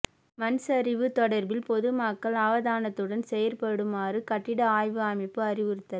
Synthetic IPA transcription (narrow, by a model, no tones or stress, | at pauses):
mɐnsɐɾɪʋɯt̪ɔɽɐɾbɪlpɔðɯmaːkːɐɭɐʋɐðaːnɐt̪ːɯɽɐnsɛjɐɾpɐɽɯmaːrɯkɐʈːɪɽɐaːjʋɯaːmɪpːɯɐrɪʋɪɾɯt̪ːɐ